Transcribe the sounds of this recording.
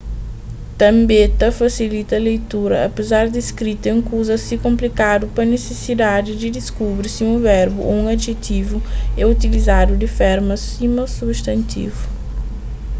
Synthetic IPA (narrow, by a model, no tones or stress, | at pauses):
t̪ɐ̃mbet̪ɐfasilit̪ɐlejt̪uɾɐ̰ɐ̰pezaɾd̪ɪskɾit̪ɐẽŋkuzɐsɪkõmplikad̪ʊpɾɐnesesid̪ad̪ɪd̪ɪd̪ɪskubɾɪsɪũvɛɾbʊʔo̰ũad̪ʒet̪ivʊɛut̪ilizad̪ʊd̪ɪfɛɾmɐs | imɐsubst̪ɐ̃nt̪ḭvʊ